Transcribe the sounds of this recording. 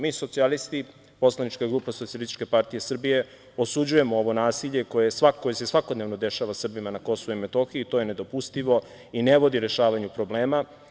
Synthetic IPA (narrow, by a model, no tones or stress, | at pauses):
miːso̞t̪sialist̪i | po̞slˠanit͡ʃkaɡɾuːpasoialist̪i̥t͡ʃʃkepaɾt̪ije̞sr̩bije̞ | osud͡ʑuje̞mooʋo̞naːsiʎe̞ko̞jesʋakojese̞sʋako̞d̪neʋnod̪e̞ʃaʋasr̩bimanako̞soʋuime̞t̪o̞xiit̪o̞je̞ne̞d̪o̞pust̪iʋo̞ | ine̞ʋo̞d̪iɾe̞ʃaːʋaɲupɾo̞ble̞ːma